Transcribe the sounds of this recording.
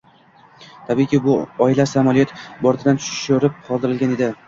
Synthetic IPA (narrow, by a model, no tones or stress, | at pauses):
t̪ʰabikʲibʊɒɪlasamɒlˠijɒt̪bɒɾt̪ʰɪd̪ant̪ʰʊ̥ʃɪ̥ʃʊɾɪp̚qʰɒlˠd̪ɪɾɪlɡʲane̞d̪ɪ